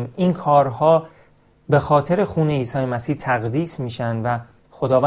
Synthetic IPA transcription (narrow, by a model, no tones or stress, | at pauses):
minkʰɒːɾhɒː | be̞xɒːt̪ʰe̞ɾe̞xuːne̞iːsɒːjemæsiːht̪ʰæɣd̪iːsmiːʃænd̪væ | xo̞d̪ɒːvæ